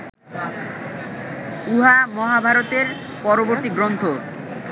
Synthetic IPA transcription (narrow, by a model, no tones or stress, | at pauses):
uɦamɔɦabʱaɾot̪eɾ | pɔɾoboɾt̪iɡɾont̪ʰo